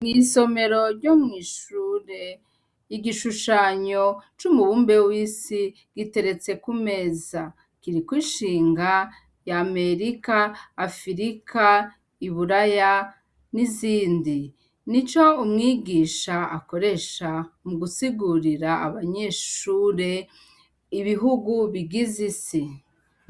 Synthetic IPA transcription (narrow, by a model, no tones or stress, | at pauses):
ŋiso̞me̞ɾo̞ɾɟo̞mŋiːʃuːɾe̞ | iɡiʃuʃaɲo̞t͡ʃumuβuːmbe̞wiːsi | ɡ̥ite̞ɾe̞t͡se̞kume̞za | kiɾikwiʃiːŋɡa | jame̞ɾikaːfiɾikʰa | iβuɾaja | niziːndi | nit͡ʃo̞umŋiːɡiːʃaako̞ɾe̞ʃamuɡusiɡuɾiɾa̰ːβaɲe̞ʃuːɾe̞ | iβiɦuɡuβiɡizisi